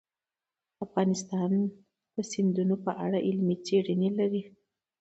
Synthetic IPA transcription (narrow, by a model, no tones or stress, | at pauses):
afɣɑnɪst̪ɑn | d̪̥əsɪnd̪unopəʔaɽaʔɪlmit͡seɽənelaɾi